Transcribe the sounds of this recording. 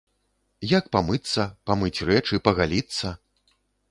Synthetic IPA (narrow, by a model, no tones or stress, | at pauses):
jakpamɨt̪sːɐpamɨt͡sʲrɛt͡ʂɨpɐɣalʲit̪sːɐ